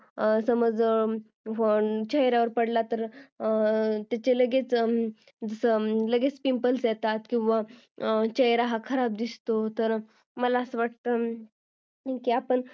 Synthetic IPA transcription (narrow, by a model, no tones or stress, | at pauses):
səməd͡z | ɦoɳt͡ɕəjɾaʋəɾpəɽlat̪əɾ | t̪jat͡ɕeləɡet͡s | d͡zəsələɡet͡spimpəlsjet̪at̪kĩw̃ʋa | t͡ɕəjɾaɦakʰəɾab̚d̪ist̪ot̪əɾ | məlaəsəʋaʈ̚t̪ə | kiapəɳ